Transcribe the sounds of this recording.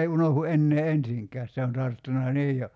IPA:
ei unohu enːeː ensiŋkæːs se on tɑrtːunɑ niːj jo

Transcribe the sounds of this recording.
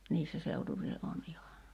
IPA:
niːsːæ seutuʋile ʔon ihɑ

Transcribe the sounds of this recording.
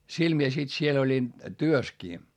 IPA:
sil mie sit siel olʲin tyøskiː

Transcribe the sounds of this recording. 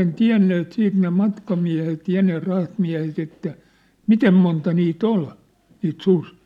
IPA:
tiæ̝nːeːt siːt ne mɑtkɑmiæ̝het jɑ ne rɑhtmiæ̝het etːæ mitem montɑ niːt ol niːt susi̥ː

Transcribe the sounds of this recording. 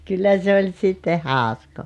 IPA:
kylːæ se olʲ sitːe hɑˑoskoː

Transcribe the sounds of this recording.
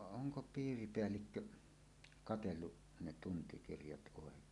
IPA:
oŋko piːripeælːikːø kɑtelːu ne tuntikirjɑt ʔoˑekˑeːn

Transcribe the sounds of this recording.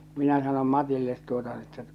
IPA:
minæ sɑnom mɑtilːet tuotɑ n etːæ

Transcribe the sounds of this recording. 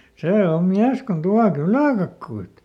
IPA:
seː om miæs kon tuɑ kylæˑkɑkːuit

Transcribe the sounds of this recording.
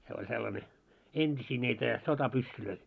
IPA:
se olʲ selːɑne entʲisiː niːtæ sotɑpysːyløi

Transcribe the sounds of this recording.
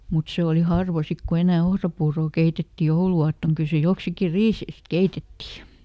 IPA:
mut se oli hɑrʋɑ sik ku enæˑ ohrɑpuːroˑ keitetːi jouluɑːtːoŋ kyl se joksiki riːseist keitetːiˑ

